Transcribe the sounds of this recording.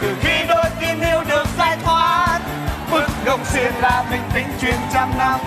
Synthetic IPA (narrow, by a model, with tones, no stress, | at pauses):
t̪ɨ˨˩xi˧ɗo˧jt̪i˧ənʔi˧əwɗɨ˨˩ək̚zaː˧jt̪ʰwaː˨˦ | ɓɨ˧˩ək̚ɣə˨˩wŋ͡msi˧˩ənlaː˨˩mï˨˩ŋ̟t̪ï˨˦ŋ̟t͡ɕwi˨˩ənt͡ɕa˧mnaː˧˩w